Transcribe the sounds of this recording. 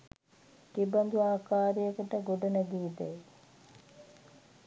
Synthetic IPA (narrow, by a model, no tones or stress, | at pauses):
k̪ibɐnd̪uaːkaːɾijəkəʈəɡoɖɐnəd̪iːd̪ɛj